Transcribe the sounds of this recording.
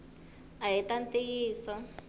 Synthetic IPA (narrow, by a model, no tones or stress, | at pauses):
aɦitantejiːsɔ